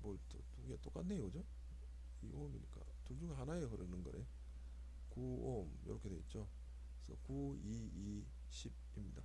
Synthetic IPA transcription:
moɭtotuɡet͈ok͈atnːeiɡʌd͡ʑo | iɡomiɲik͈a̰ | tud͡ʑuɡaɦanaeɦɯɾɯnɯnɡʌ̰ɾḛjo | kuomjo̰ɾʌkʰede̞t̚t͡ɕ͈o | sʰʌ̰kuii | ɕʰib̚ | imɲida

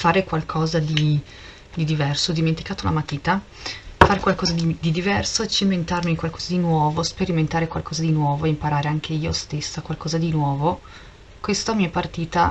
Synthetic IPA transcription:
faːɾekwalkʰɔːzad̪i | d̪id̪ivɛrsod̪iment̪ikaːt̪ounamat̪ːiːt̪a | faːɾekwalkɔːzad̪id̪id̪ivɛrsoet͡ʃːement̪armiŋkwalkɔːzad̪inwɔːvospeɾiment̪aːɾekwa̰lkʰɔːzad̪inwɔːvoeimpaɾaːɾeaŋk̟ʰeiːost̪esːakwalkɔːzad̪inwɔːvo | kwest̪amiːapart̪iːt̪a

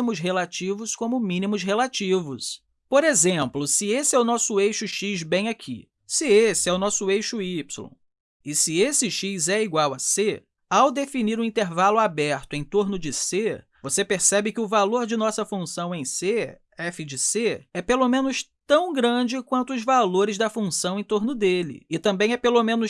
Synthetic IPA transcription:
imʊsɦelat͡ʃivʊskõmʊmĩnimʊzɦelat͡ʃivʊ̰s | poɾezẽplʊsɪesɪɛʊnɔsʊejʃʊʃizbẽj̃akʰḭ | sɪesɪɛʊnɔsʊejʃʊipsulõ̰ | ɪsɪesɪʃizɛiɡwawɐse | awd̪efiniɾũĩnt̪eɾvalʊabɛɾt̪ʊẽj̃t̪oɾnʊd͡ʒɪse | vosepeɾsɛbɪkɪʊvaloɾd͡ʒɪnɔsɐfũsɐ̃w̃ẽj̃se | ɛfɪd͡ʒɪseɛpelomẽnʊʃt̪ɐ̃w̃ɡɾɐ̃d͡ʒɪkwɐ̃nt̪ʊːzvaloɾɪzd̪ɐfũsɐ̃w̃ẽj̃t̪oɾnʊd̪elɪ̰ɪt̪ɐ̃mbẽj̃ɛpelomẽnʊʃ

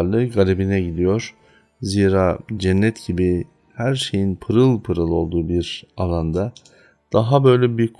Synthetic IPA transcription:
ɾlˠɯɡalʲibinɛɟid̪ijo̞ɾ̥ | ziːɾaːd͡ʒɛnːɛt̪ɟibi | hæɾʃe̞jinpʰɯɾɯlˠpʰɯɾɯlˠo̞̰lˠd̪uːbiɾalˠand̪a | d̪̥aɦabø̞jlʲɛbikʰ

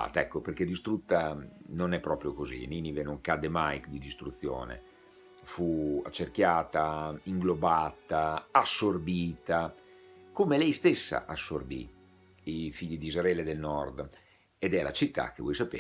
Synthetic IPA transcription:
a̰ːt̪aɛkːoperk̟ed̪ist̪ɾut̪ːanonɛpːɾɔːpɾjokozḭniːnivenoŋkad̪ːemajkd̪id̪ist̪ɾut̪sːjo̰ːnḛ | fuat͡ʃːerk̟jaːt̪aiŋɡlobaːt̪aasːorbiːt̪a | komelɛjst̪esːa̰ʔasːorbḭ | ifiʎːid̪izɾɛːled̪elnɔrd̪ | ed̪ɛla̰t͡ʃit̪ːa̰k̟ːevwɔjsapḛː

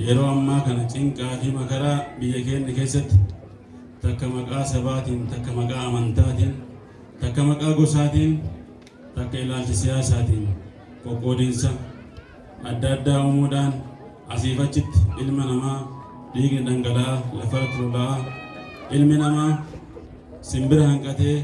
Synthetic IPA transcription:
jɛɾo̞ːɐmːaːkɐnɐt͡ʃʼɪŋkʼaːfɪmɐkɐɾaːbɪjːɐkeːnːɐke̞ːsːɐt̪ːɪ̥ | t̪ɐkːɐmɐkʼaːsɐbaːt̪iːnt̪ɐkːɐmɐkʼaːɐmɐnt̪aːt̪iːn | t̪ɐkːɐmɐkʼaːɡɔsaːt̪iːn | t̪ɐkːɐɪlaːlt͡ʃɪsɪjaːsaːt̪iːn | kʼɔkʼːoːd̪ɪnsɐ | ɐd̪ːɐd̪ːaːʊmuːᶑ̪aːn | ʔɐsiːfɐt͡ʃːɪt̪ːɪ̥ʔɪlmɐnɐmaː | d̪iːkʼnɪd̪ɐŋɡɐlaːlɐfɐɾt̪ɪɾɔlɐʔa | ʔɪlmɪnɐmaː | sɪmbɪɾɐhɐŋkʼɐt̪eː

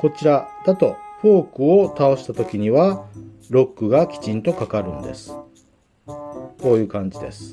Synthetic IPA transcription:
ko̞t͡ɕiɾad̪̥at̪o̞ɸo̞ːkɯ̟o̞t̪ao̞ɕi̥t̪at̪o̞kʲiɲ̟iβa | ɾo̞kːɯ̟ɡakʲi̥t͡ɕĩnt̪o̞kakaɾɯ̟̰̃nd̪e̞̰sɨ̥ | ko̞ːjɯ̟ːkãɲ̟d͡ʑid̪e̞̰sɨ̥

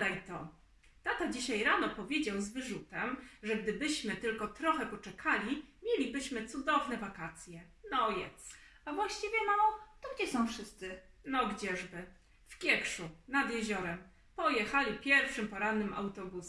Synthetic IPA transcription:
d̪ajt̪ɔ | t̪at̪ad͡ʑiɕajɾanɔpɔvʲjed͡ʑawzvɘʐut̪ɛmʐɛɡd̪ɘbɘɕmɘt̪ɘlkɔt̪ɾɔxɛpɔt͡ʂɛkʰalʲimʲjelʲibɘɕmɘt̪sud̪ɔvnɛvakat̪sʲjɛ | nɔjɛ̰t̪savwaɕt͡ɕivʲjɛnɔt̪ɔɡd͡ʑɛsɔ̃w̃fʂɘst̪sɘnɔɡd͡ʑɛʐbɘ | fkʲjɛkʂunad̪jɛʑɔɾɛm | pɔjɛxalʲipʲjɛɾfʂɘmpɔɾanːɘmʔa̰wt̪ɔbus

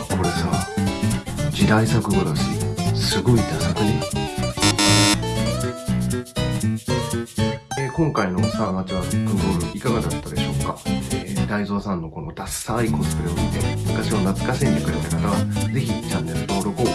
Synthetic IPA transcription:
kʰo̞ɾe̞saː | d͡ʑid̪aisakɯ̟ɡod̪aɕḭsɨɡo̞id̪asakɯ̟ɲiat̪ː | ekõ̞ŋkaino̞saːmat͡ɕiβakɯɡo̞ːɾɯ̟ikaɡad̪at̪ːad̪e̞ɕo̞ːkaed̪aizo̞ːsãnːo̞ko̞no̞t̪asaiko̞sɨ̥kɯ̟ɾɯomit̪e̞̰mɯt̪aɕionat͡sɨ̥kasiɲʲd̪ikɯ̟ɾet̪akat̪aβad͡ze̞çit͡ɕãnːe̞ɾɯ̟t̪o̞ːɾoko

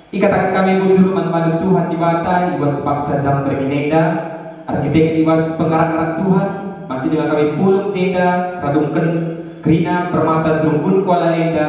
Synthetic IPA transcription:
ʔikat̪akankamɛbud͡ʒurmanpanut̪uɦandibat̪ajibaspaksad͡ʒambərɦinɛnda | ʔa̰rkit̪ɛk̚t̪iwaspəŋaɾaŋaɾaŋt̪uɦan | mat͡ʃiʔdəŋankamɛpulət̪̚d͡ʒedaraduŋkən | kɾinapərmat̪asəɾuŋbunkɔalalɛnda

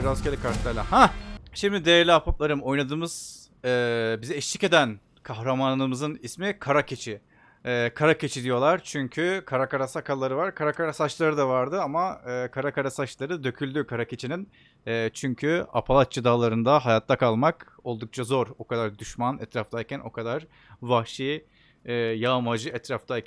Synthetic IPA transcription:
iɾazcʰelʲikʰaɾt̪lʲˠæɾlʲaɦaʃimd̪id̪ejæɾlʲiapʰap̪̚lˠaɾɯmo̞jnad̪ɯːmɯz̥ | ɛːbizɛɛʃlʲice̞d̪æn | kʰahɾamanɯmɯzɯnismikʰaɾacʰe̞t͡ʃʰi | ɛːkʰaɾace̞t͡ʃʰid̪ijo̞lˠaɾt͡ʃʰyɲcʰykʰaɾakaɾasakʰalˠaɾɯvaɾkʰaɾakaɾasat͡ʃlˠaɾɯd̪avaɾd̪ɯamaɯːkʰaɾakaɾasat͡ʃlˠaɾɯd̪ø̞cʰylʲd̪ykʰaɾacʰe̞t͡ʃʰinin | ɛːt͡ʃʰyɲcʰya̰pʰalˠat̪t͡ʃɯd̪aːlˠaɾɯnd̪aɦajat̪ʰːakʰalˠmak | o̞lˠd̪uk̚t͡ʃʰazo̞ɾo̞kad̪aɾd̪yʃmanɛt̪ɾaft̪ʰajcʰænʔo̞̰kʰad̪aɾ̥ | vahʃiː | ɛːjamad͡ʒɯɛt̪ɾaft̪ʰajʰ

